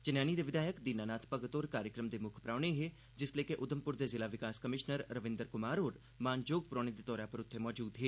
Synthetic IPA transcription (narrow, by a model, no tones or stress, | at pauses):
t͡ʃɪnjaːniːd̪eːʋɪd̪aːjəkd̪iːnaːnaːt̪ʰpəɡət̪oːɾkaːɾjəkɾəmd̪eːmʊkʰpɾaːɽ̃eɦeː | d͡ʒɪsleːkeʔʊd̪əmpʊɾd̪eːzɪlaːʋɪkaːskəmɪʃnəɾɾəʋɪ̃nd̪əɾkʊmaːɾoːɾ | maːnd͡ʒoːɡ̚pɾɔːñed̪eːt̪ɔːɾãːpəɾʊt̪ʰːemɔːd͡ʒuːd̪ɦeː